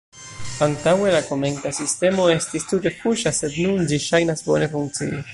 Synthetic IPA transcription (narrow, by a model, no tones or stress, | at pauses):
paŋt̪aweɾakomeŋkasist̪emoest̪ist̪ut̪ekuʃased̪nund͡ʒiʃajnasbonefuŋkt͡sḭi